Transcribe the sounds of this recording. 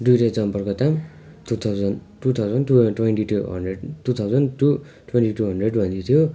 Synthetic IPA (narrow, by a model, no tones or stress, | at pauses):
dujɾet͡sʌmpʌrkʌt̪am | t̪ut̪ʰawd͡zʌnʈut̪ʰawd͡zʌnʈuʈwenʈiʈuɦʌ̰nreɖtut̪ʰawd͡zʌnʈu | ʈwenʈiʈuɦʌndreɖbʱʌ̃nʰit̪ʰijo